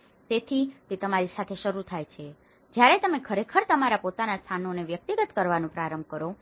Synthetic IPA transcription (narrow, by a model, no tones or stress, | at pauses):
t̪et̪ʰit̪et̪əmaɾisat̪ʰeʃəɾut̪ʰajt͡ʃʰe | d͡ʒjaɾet̪əmekʰəɾekʰəɾt̪əmaɾapot̪anast̪ʰanoneʋjək̚t̪iɡət̪kəɾʋanũpɾaɾəmbkəɾo